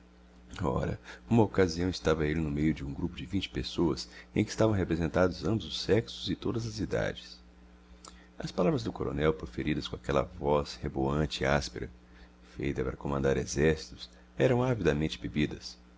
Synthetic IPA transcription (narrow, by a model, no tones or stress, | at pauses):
ɔ̰ɾɐ̰ũmɐokaziɐ̃w̃ɪst̪avɐelɪnʊmejʊd͡ʒɪũɡɾupʊd͡ʒɪvĩnt͡ʃɪ̥pesoɐsẽj̃kɪːst̪avɐ̃w̃ɦepɾezẽnt̪ad̪ʊzɐ̃mbʊzʊsɛksʊzɪt̪od̪ɐzɐzid̪a̰d͡ʒɪs | ɐ̰spalavɾɐzd̪ʊkoɾo̰nɛwpɾofeɾid̪ɐskõakɛlɐ̰vɔsheboɐ̃nt͡ʃɪɪaspeɾɐ | fḛjt̪ɐpaɾɐkomɐ̃nd̪aɾezɛɾsi̥t̪ʊ̥s | ɛɾɐ̃w̃avid̪ɐmẽnt͡ʃɪbebid̪ɐs